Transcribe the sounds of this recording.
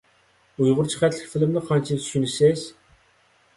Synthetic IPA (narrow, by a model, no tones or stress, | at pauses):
ujʁʊɾt͡ʃʰə̥χæt̪ʰlɪ̥kʲfɪlɪmnɪqʰɑnt͡ʃʰit̪ʰʃynɪsɪz̥